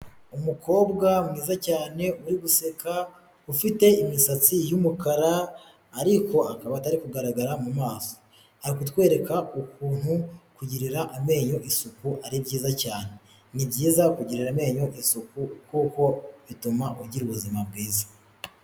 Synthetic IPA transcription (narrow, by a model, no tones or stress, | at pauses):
umuko̞ːbɡamŋiːzacaːne̞uɾiβuse̞ka | ufite̞imisat͡sijumukaɾaː | ɾiko̞akaβataɾikuɡaɾaɡaɾamumaːso̥ | aɾikutwe̞ːɾe̞kaukuːn̥hukuɟiɾiɾaʔame̞ːɲo̞ʔisukuʔaɾibɟiːzacaːne̞ | nibɟiːzakuɟiɾiɾame̞ːɲo̞ʔisukukuːko̞βitumaʔuɟiɾuβuzimabɡiːzḁ